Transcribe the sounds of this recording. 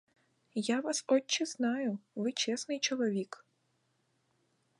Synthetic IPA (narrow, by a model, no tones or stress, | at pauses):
jaʋasɔt͡ʃːɪznɑjʊʋɪt͡ʃɛsnɪjt͡ʃɔlˠɔʋʲik